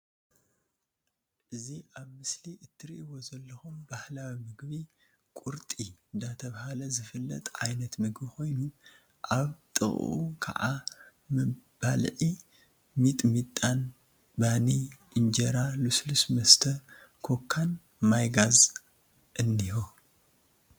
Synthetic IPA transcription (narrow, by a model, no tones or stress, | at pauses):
ʔɨziʔaβmɨsliʔɨt̪ʰːɨɾḭʔiwo̞zɐlːɐxumbahlawimɨɡβi | kʼuɾt̪ʼind̪at̪ʰɐβahalɐzɨfɨlːɐ̰t̪ʼʕa̰jnɐt̪mɨɡbiko̞jnu | ʔaβt̪ʼɨ̰xʼʔṵkʰa̰ʕa | mɨb̥alʕi | mit̪ʼmit̪ʼːan | baniʔɨnd͡ʒɐɾaluslusmɐst̪ʰɐkʰo̞kʰːan | majɡaz | ʔɨnːiho